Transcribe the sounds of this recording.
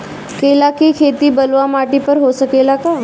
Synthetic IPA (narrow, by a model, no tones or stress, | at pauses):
kelakiːkʰet̪iːbəlʋamaʈipəɾɦosəkelaka